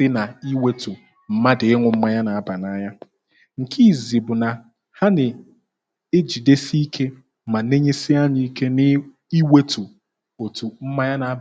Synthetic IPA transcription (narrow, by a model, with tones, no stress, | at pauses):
ɪ˦na˨i˦we˦tu˨ | m̩˦ma˦dɪ˨ɪ˦ŋʷʊ˨m̩˦ma˦ɲa˦na˨a˦ba˨na˦ɲa˦ | ŋ̩˨kʰi˦˨zi˨bʊ˨na˨ | ha˦nɪ˨ | e˦d͡ʒi˨de˦si˦i˦kʰe˦ | ma˨ne˦ɲe˦si˦a˦ɲi˦i˦ke˦nɪ˦ | i˦we˦tu˨ | o˨tu˨m̩˦ma˦ɲa˦na˨˦